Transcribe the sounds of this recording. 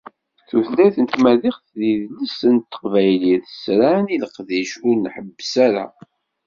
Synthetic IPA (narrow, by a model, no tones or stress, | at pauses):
θuθlæθənt̪mæðiχθðiðləsənt̪ːə̥qvæjliθəsɾaniləqðiʃʊɾnħəbːsæɾa̰